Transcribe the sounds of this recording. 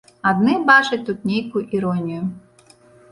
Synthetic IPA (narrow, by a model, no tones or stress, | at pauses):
ɐd̪nɪbɑt͡ʃɐt̚ʲt̪ut̪̚nʲejkʊʔiɾɔnʲijʊ